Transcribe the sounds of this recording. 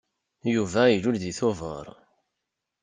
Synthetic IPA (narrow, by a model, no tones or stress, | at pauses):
juvæilulðiθovə̰ɾˤ